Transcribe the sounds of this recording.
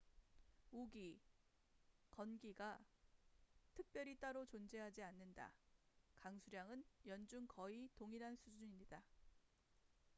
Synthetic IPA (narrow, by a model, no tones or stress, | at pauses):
uɡi | kʌnɡiɡa | tʰɯk̚p͈jʌɾit͈aɾot͡ɕond͡ʑe̞ɦad͡ʑianːɯnda̰ | kaŋsʰuɾjaŋɯnjʌnd͡ʑuŋkʌitoŋiɾɦansʰud͡ʑuɲimɲida